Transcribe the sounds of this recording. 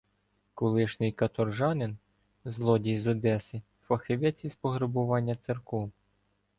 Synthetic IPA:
kɔlˠɪʃnɪjkɐt̪ɔrʒɑnɪn | zlˠɔdʲijzɔd̪ɛsɪ | fɐxɪʋʲjɛt͡sʲispɔɦɾebʊʋɑnʲːɐt̪serkɔw

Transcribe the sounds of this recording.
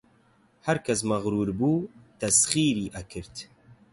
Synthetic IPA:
hɐɾkʰɐs̬mɐɣɾuːɾbuːt̪ɐsχiːɾiːʔɐkʰɨɾt̪

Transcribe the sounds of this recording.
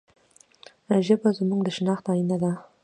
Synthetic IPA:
ʒəbazmuŋd̪əʃnɑxt̪ɑjinad̪a

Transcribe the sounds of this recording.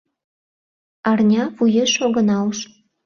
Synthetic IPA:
ɑrnʲɑβujeʃoɣə̆nɑlʃ

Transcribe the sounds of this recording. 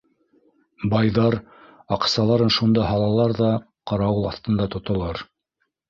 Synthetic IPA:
bɑjðɑɾ | ɑqsɑlˠɑɾɤnʃund̪ɑɦɑlˠɑlˠɑɾðɑ | qɑɾɑwɤlˠɑθt̪ɤ̆nd̪ɑt̪ŏt̪ŏlˠɑɾ

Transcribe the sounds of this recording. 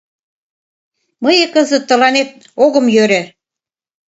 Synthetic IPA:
mɤjĕkɤ̆zə̆t̪ːə̆lɑnet̪̚ | oɣɤ̆mjøɾe

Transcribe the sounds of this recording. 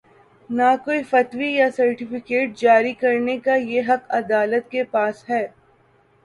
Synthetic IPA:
nakoːifɐt̪wijasɐɾʈɪfɪkeːʈ̚d͡ʒaːɾikɐɾnekajeɦɐqɐd̪aːlət̪kepaːsɦɛː

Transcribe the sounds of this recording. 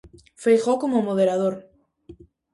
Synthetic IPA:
fejxokomomoðeɾaðoɾ

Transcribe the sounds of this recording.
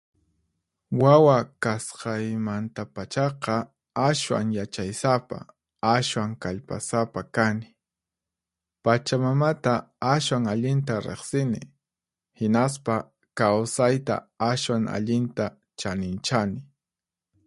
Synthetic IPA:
wawakasqɑjmant̪apat͡ʃɑqɑ | aʃwa̰ŋjat͡ʃajsapa̰ | aswaŋkaʎpasapakanɪ | pat͡ʃamamat̪aaʃwaŋaʎɪnt̪aɾḛχsɪnɪ | hɪnas̬pa | kawsajt̪a̰aʃwaŋa̰ʎɪnt̪a | t͡ʃanɪnt͡ʃanɪ

